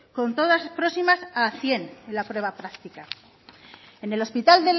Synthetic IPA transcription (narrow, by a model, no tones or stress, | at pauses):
ko̞nt̪o̞ðaspɾo̞simasaθje̞nelapɾwe̞β̞apɾakt̪ika | e̞ne̞lo̞spit̪ald̪e